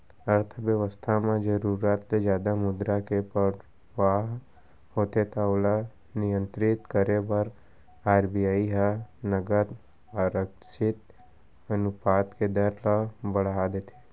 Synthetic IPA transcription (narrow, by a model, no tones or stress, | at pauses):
əɾt̪ʰəʋjəʋəst̪ʰamãd͡ʒəɾuːɾaːt̪led͡ʒjaːd̪amʊd̪ɾakepə | ʋaːɦ | hoːt̪et̪aola | nɪjə̃nt̪ɾɪt̪kəɾebəɾ | aːɾbijaːiɦanəɡət̪ | aɾəkʃɪt̪ | ənʊpaːt̪ked̪əɾlabəɽ̤ad̪eːt̪ʰe̥